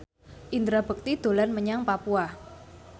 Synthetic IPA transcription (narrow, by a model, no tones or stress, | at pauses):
ʔind̪ɾabək̚t̪id̪̥o̤lanməɲaŋpapua